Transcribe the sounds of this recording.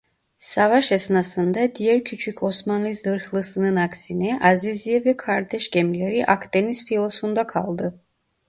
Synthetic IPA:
savaʃɛsnasɯnd̪ad̪ijæɾcʰyt͡ʃʰycʰo̞smanlˠizɯɾxlˠɯsɯnɯnaksinɛʔazizijɛvɛkʰaɾt̪ʰɛʃɟɛmilʲeɾiʔakt̪enispilˠosund̪akʰa̰lˠd̪ɯ

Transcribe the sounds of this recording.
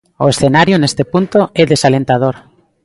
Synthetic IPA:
oesθenaɾjonest̪epunt̪oeðesalẽnt̪að̞oɾ

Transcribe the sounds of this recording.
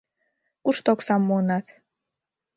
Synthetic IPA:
kuʃt̪oksɑmːoənɑt̪

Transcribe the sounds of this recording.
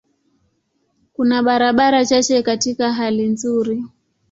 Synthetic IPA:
kunaɓaɾaɓaɾat͡ʃat͡ʃɛkatikaɦalinzuɾi

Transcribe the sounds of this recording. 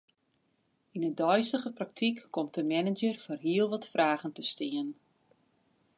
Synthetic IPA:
inədɔjstəɣəprak̚tʰikːɔmt̚əmɛnɪd͡ʒərfoːrɦiəlˠʋɔtfraːɣəntəstɪən

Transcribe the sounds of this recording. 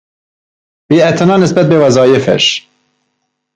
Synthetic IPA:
biːæt̪ʰænɑːnesbæt̪̚bevæzɒːjefæ̰ʃ

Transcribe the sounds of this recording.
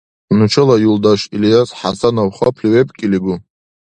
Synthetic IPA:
nɨʈ͡ʂʰɨlajuldaʃilijasħasanowχapʰliwepʼkʲʼiliɡʷʊ

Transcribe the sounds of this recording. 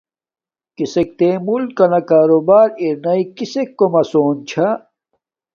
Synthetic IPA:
kisek̚t̪emulkɐnɐkaːɾobaːɾiɾnɐikisekːomɐsoːnt͡ɕʰa

